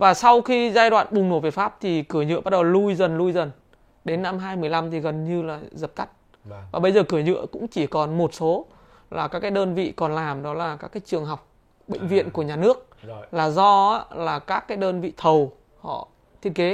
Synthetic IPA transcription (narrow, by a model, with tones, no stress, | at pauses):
vaː˨˩sa˧wxi˧zaː˧jɗwa̰ː˧˨nɓʊ˨˩ŋ͡mno˧˩vi˨˩t̚faː˦˥p̚t̪ʰi˨˩kɨ˧˩əɲɨ̰˧˨ɓa˦t̚ɗə˨˩wlu˧jzə˨˩nlu˧jzə˨˩n | ɗe˨˦nːa˧mɦaː˧jmɨ˨˩əjla˧mt̪ʰi˨˩ɣə˨˩nɲɨ˧laː˨˩zə˨˩p̚t̪a˦˥k̟̚ | vaː˨˩ɓə˧jzəː˨˩kɨ˧˩əɲɨ̰˧˨əkʊ̰˧˥ŋ͡mt͡ɕi˧˩kɔ˨˩nmo˨˩t̚so˨˦ | laː˨˩kaː˦˥kːaː˨˦jɗəː˧nvḭ˧˨kɔ˨˩nlaː˨˩mɗɔ˨˦laː˨˩kaː˦˥kːaː˨˦jt͡ɕɨ˨˩əŋɦa˨˩wk͡p̚ | ɓḛ˧˨ŋ̟vḭ˧˨ənku˧˩əɲaː˨˩nɨ˦˥ək̚laː˨˩zɔ˧a˨˦laː˨˩kaː˦˥kːaː˨˦jɗəː˧nvḭ˧˨t̪ʰə˨˩w | hɔ̰˧˨ | t̪ʰi˦˥ənke˨˦